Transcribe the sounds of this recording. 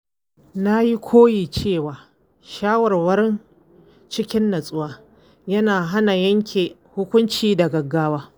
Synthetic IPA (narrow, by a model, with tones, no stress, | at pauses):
na˦ji˦kʷʰoː˦jiː˨t͡ʃeː˦˨waː˨ | ʃaː˦wɐ˨rwɐ˦ɾɪ˦n | t͡ʃɪ˦kʲɪ˦nːɐ˨sʼʊ˦waː˦ | jɐ˦naː˨ɦa˦na˨jɐ˦ŋkʲʰeː˨hʊ˦kʷʊ˦nt͡ʃiː˦da˨ɡɐ˨ɡːaː˦waː˦